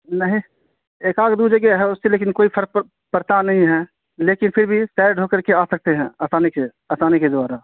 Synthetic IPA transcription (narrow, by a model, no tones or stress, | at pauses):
nəɦĩ | eːkaːkd̪ud͡ʒəɡeɦɛʊsːeleːkɪnkoːipʰəɾk̚ | pəɾt̪anəɦĩɦɛ | leːkɪnpʰɪɾbʱisɛːɾɖʱoːkəɾkeaːsək̚t̪eɦɛ̃asaːneke | əsaːneked̪ʋaːɾa